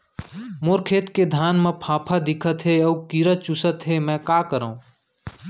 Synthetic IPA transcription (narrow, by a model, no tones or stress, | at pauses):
moːɾkʰeːt̪ked̪ʱaːnmẽpʰãːpʰad̪ɪkʰət̪ɦeoːkiɾət͡ʃʊsət̪ɦemɛ̃ːkaːkəɾaũː